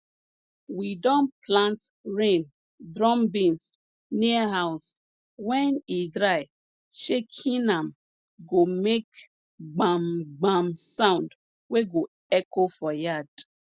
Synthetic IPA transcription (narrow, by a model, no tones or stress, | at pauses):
widɔ̃nplãntɾẽn | dɾɔmbĩns | niaɦaʊs | wɛnidɾaɪ | ʃekʰinam̩ | ɡomek | ɡ͡bamɡ͡bamsaʊ̃nd | weɡo | ekofɔjad